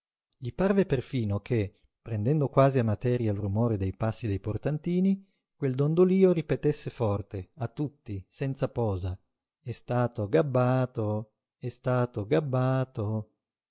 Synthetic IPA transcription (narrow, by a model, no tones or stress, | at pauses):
ʎiparveperfiːnokʰe | pːɾend̪ɛnd̪okwaːziamːat̪ɛːɾjalrumoːɾed̪ejpasːid̪ejport̪ant̪iːni | kweld̪ond̪oliːoɾipet̪esːefɔrt̪eat̪ːut̪ːisɛnt̪sapɔːza | ɛst̪aːt̪oɡabːaːt̪o | ɛst̪aːt̪oɡabːaːt̪o